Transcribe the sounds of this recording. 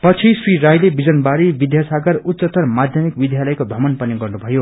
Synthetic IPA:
pʌt͡sʰisriɾajlebid͡zʌnbaɾibid̪jasaɡʌrut̪ːsʌt̪ʌrmad̪ʱjʌmikbid̪ʱjalʌjkob̪ʱʌmʌnpʌniɡʌrnubʱʌjo

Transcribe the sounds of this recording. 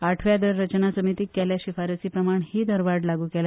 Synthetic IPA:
aʈʰʋjad̪əɾːət͡ɕnasəmit̪iːkːɛljaɕifaɾət͡siːpɾəmaɳhiːd̪əɾʋaɖlaɡuːkɛla

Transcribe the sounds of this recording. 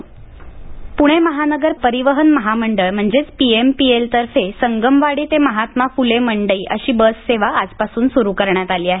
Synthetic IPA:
puɽ̃eməɦanəɡəɾpəɾiʋəɦənməɦaməɳɖəɭm̤əɳd͡zet͡spiempielt̪əɾfesəŋɡəmʋaɽiːt̪eməɦat̪mafuleməɳɖəiːʔə̰ɕiːbəsːeʋaːd͡zpasuːnsuɾukəɾɳjat̪aliːaɦe

